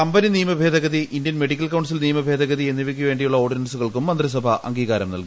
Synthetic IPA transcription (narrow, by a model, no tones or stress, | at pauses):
ɐmbɐniniːɐmɐbʱe̞ːd̪ʱɐɣɐðiʔind̪jɐnmeɖikʲːɐlkɐwɳɖs̬ilniːɐmɐbʱe̞ːd̪ʱɐɣɐðie̞nːiʋikʲːuʋe̞ːɳɖijuɭːɐo̞ːɖinɐnsuɣɐɭkumːɐnd̪ris̬ɐbʱɐʔɐ̰ŋɡiːɣaːɾɐmnɐ̰lki